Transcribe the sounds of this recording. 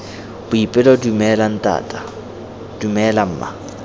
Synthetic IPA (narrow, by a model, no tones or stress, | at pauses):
b̥ʊipʼɪlɔdumɛlan̩tʼa̰ːtʼa | d̥umɛlam̩ːma̰